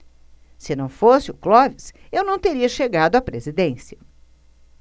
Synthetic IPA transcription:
sɪnɐ̃w̃fosɪʊklɔvɪs | ewnɐ̃w̃t̪eɾiɐʃeɡad̪ʊapɾezid̪ẽsiɐ

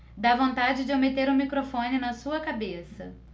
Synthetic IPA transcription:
d̪avõnt̪ad͡ʒɪd͡ʒɪomet̪eɾũmikɾofõnɪnɐsuɐkabesɐ̰

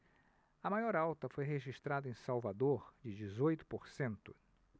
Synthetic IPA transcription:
ɐmajɔɾawt̪ɐfojɦeʒiʃt̪ɾad̪ɐẽsawvad̪oɾd͡ʒɪd͡ʒizojt̪ʊ̥poɾsẽnt̪ʊ

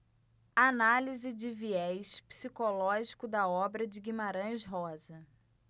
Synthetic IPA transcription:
analizɪd͡ʒɪviɛjʃpi̥sikolɔʒikʊd̪ɐɔbɾɐd͡ʒɪɡimaɾɐ̃ʃɦɔzɐ

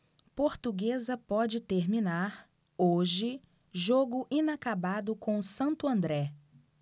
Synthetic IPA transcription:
poɾt̪uɡezɐpɔd͡ʒɪt̪eɾmĩnaɾ | oʒɪ | ʒoɡʊʔĩnakabad̪ʊkõsɐ̃nt̪ʊɐ̃nd̪ɾɛ

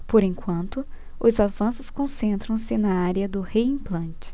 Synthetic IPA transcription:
poɾẽŋkwɐ̃nt̪ʊ | ʊzavɐ̃sʊskõsẽnt̪ɾɐ̃w̃sɪnɐaɾjɐd̪ʊheĩplɐ̃nt͡ʃɪ̥

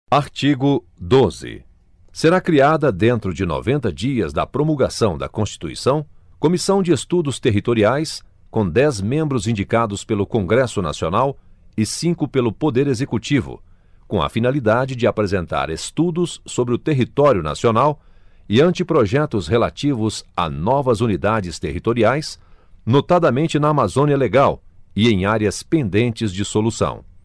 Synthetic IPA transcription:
aɾt͡ʃiɡʊ | d̪ozɪ̰ | seɾakɾiad̪ɐd̪ẽnt̪ɾʊd͡ʒɪno̰vẽnt̪ɐd͡ʒiɐzd̪ɐ̰pɾomulɡasɐ̃w̃d̪ɐ̰kõst͡ʃi̥t̪uḭsɐ̃w̃ | komisɐ̃w̃d͡ʒɪest̪ud̪ʊst̪eɦit̪oɾiajs | kõd̪ɛzmẽmbɾʊzĩnd͡ʒikad̪ʊspelʊkõŋɡɾɛsʊna̰sionawɪsĩkʊpelʊpod̪eɾezekut͡ʃivʊ̰ | kõɐ̰finalid̪ad͡ʒɪd͡ʒɪapɾezẽnt̪a̰ɾest̪ud̪ʊsːobɾɪʊt̪eɦit̪ɔɾjʊna̰sionaw | ɪɐ̃nt͡ʃɪpɾoʒɛt̪ʊsɦela̰t͡ʃivʊza̰nɔvɐzunid̪ad͡ʒɪst̪eɦit̪oɾiajsnot̪ad̪ɐmẽnt͡ʃɪnɐːmazõniɐleɡawɪẽj̃aɾjɐspẽnd̪ẽnt͡ʃɪzd͡ʒɪsolusɐ̰̃w̃

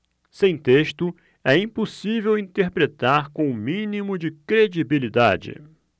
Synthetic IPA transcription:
sẽj̃t̪eʃt̪ʊ | ɛĩposivewĩnt̪eɾpɾet̪aɾkõʊ̃mĩnimʊd͡ʒɪkɾed͡ʒibilid̪a̰d͡ʒɪ̰

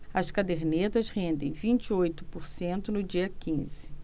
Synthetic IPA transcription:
ɐskad̪eɾnet̪ɐshẽnd̪ẽj̃vĩnt͡ʃiojt̪ʊ̥poɾsẽnt̪ʊnʊd͡ʒiɐkĩzɪ̥

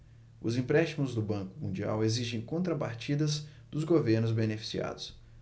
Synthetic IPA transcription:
ʊzĩpɾɛst͡ʃimʊzd̪ʊbɐ̃ŋkʊmũd͡ʒia̰weziʒẽj̃kõnt̪ɾɐpaɾt͡ʃid̪ɐz | d̪ʊzɡoveɾnʊzbenefi̥sia̰d̪ʊs

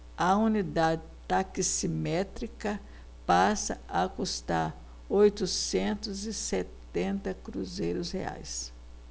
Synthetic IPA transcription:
ɐunid̪ad̪ɪt̪akisimɛt̪ɾikɐ | pasɐ̰akust̪aɾ | ojt̪ʊsẽnt̪ʊzɪsett̪ẽnt̪ɐkɾuzejɾʊshḛa̰js

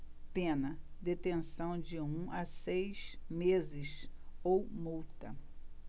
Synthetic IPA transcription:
pẽnɐd̪et̪ẽsɐ̃w̃d͡ʒɪũɐsejzmezɪsowmuwt̪ɐ

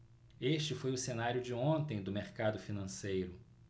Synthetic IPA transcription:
eʃt͡ʃɪfojʊsenaɾjʊd͡ʒɪõnt̪ẽj̃d̪ʊmeɾkad̪ʊfinɐ̃sejɾʊ

